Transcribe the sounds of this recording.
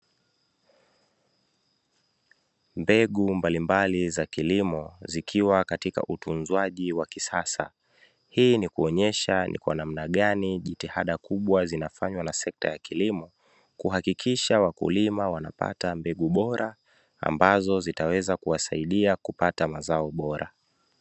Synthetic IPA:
mbɛɠumbalimbalizakilimɔzikʰiwakatika̰ʔutunzwaʄiwakisasa̰ | hiːnikuɔɲɛʃanḭkwa̰nam̩naɠaniʄitihaɗakuɓwazinafaɲwanasɛk̚ta̰jakilimɔ | kuhakikiʃawakṵlimawanapa̰tambɛɠuɓɔɾʔa | a̰mbazɔzitawɛzakuwasaiɗiakupatamazaɔɓɔɾʔa̰

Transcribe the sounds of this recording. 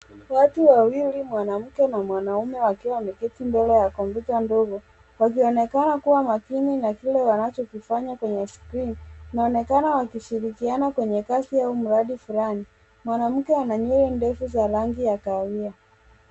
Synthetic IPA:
watuwawilimwanam̩kɛnamwanaumɛwakiwamɛkɛtimbɛlɛjakɔmputandɔɡɔ | wak̬iɔnɛkanakuwamakininakilɛwanat͡ʃɔkifaɲakwɛɲɛskɾinnaɔnɛkanawakiʃiɾikianakwɛɲɛkasiaum̩ɾaɗifulani | mwanam̩kɛwanaɲɛɾɛndɛfuzaɾaŋɡijakawia

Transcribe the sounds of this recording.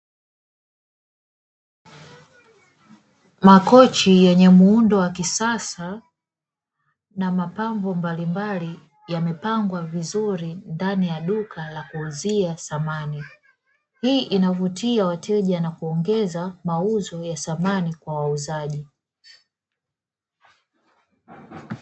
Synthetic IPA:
makɔt͡ʃijɛɲɛmuundɔwakisasa | namapamvɔmbalimbali | jamɛpaŋɡwavizuɾindanijaɗukʰalakuːziasamani | hiːʔinavutiawatʰɛʄanakuɔŋɡɛzamauzɔjasamanikwawauzaʄi

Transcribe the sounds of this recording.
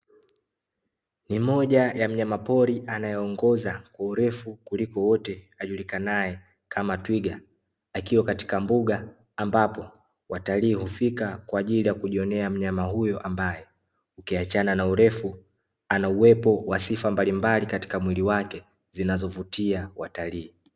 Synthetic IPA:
nimɔʄajam̩ɲamapɔɾiʔanajɛɔŋɡɔzakwauɾɛfukulikɔwɔtɛ | aʄulikanajɛ | kʰamatwiɡaː | kiwakati̥kambuɠaː | mbapɔ | wataliːhufikakwaːʄilijakuʄiɔnɛam̩ɲamahujɔʔambajɛ | ukiat͡ʃananauɾɛfu | anauwɛpɔwasifambalimbalikati̥kamwiliwakɛ | zinazɔvutiawataliː

